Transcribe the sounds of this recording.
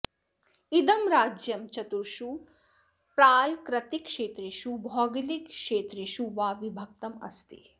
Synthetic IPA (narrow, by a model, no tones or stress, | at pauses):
id̪ɐmɾaːd͡ʒjɐmt͡ʃɐt̪uɾʃu | pɾaːlkɾɐt̪ikʃeːt̪ɾiʃubʱɔːɡilikʃeːt̪ɾiʃuʋaːʋibʱɐk̚t̪ɐmɐ̰st̪i